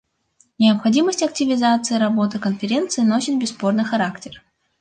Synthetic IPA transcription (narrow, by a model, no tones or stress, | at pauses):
nʲɪəpxɐdʲiməsʲtʲɐk̚tʲɪvʲɪzat̪sɨɪɾɐbo̞t̪ɨkənfʲɪɾʲent̪sɨɪnɐo̞ɕʲɪnʲbʲɪsːpo̞rnɨjxɐɾaktʲɪr